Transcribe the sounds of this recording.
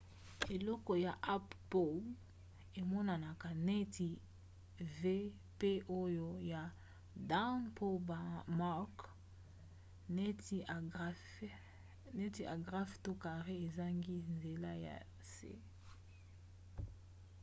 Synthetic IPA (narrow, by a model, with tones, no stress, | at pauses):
e˨lɔ˦kɔ˨ja˨ʔa˦ppo˨l | e˨mɔ˦na˨na˨ka˨ne˦ti˨ | ve˦ | pe˦ʔo˦jo˦ja˨ | da˦npʰo˦bma˦k | ne˦t | ne˦ti˨ʔa̰˨ɡʁa˦fto˦ka˨ʁe˦e˨za˦ŋɡi˦nze˨la˦ja̰˨ | sḛ˦